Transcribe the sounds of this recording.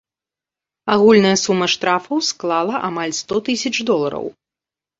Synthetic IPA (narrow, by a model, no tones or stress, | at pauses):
aɣulʲnɐjɐsumːɐʂt̪ɾafɐwsklˠalˠɐʔamalʲst̪ɔt̪ɨsʲɐt͡ʂd̪ɔlˠɐɾɐ̰w